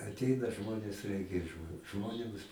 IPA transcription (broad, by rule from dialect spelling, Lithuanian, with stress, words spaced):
ɐtʲˈɛɪnɐ ˈʒmoːnʲeːs ˈrʲɛɪkʲɛ ˈʒmoːnʲeːms